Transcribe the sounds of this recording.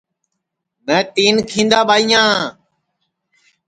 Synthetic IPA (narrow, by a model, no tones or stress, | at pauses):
mɛ̃ːt̪iːnkʰĩːnd̪aːɓaːijãː